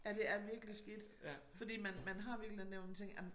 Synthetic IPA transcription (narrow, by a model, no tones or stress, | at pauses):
jæd̥e̝æɐʋiɐɡ̥lisɡ̥id̥ | fɒ̽d̥ḭːmænmænɦɑ̈ʋiɐɡ̥leneʊ̰mænt͡sʰeŋɡæmn